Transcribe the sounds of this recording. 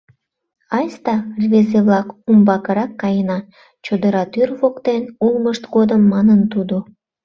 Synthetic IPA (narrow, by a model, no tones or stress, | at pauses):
ɑjst̪ɑrvezeβlɑkumbɑkəɾɑkːɑjənɑ | t͡ɕod̪əɾɑt̪yrβokt̪enulməʃt̪ɡod̪əmːɑnənt̪ud̪o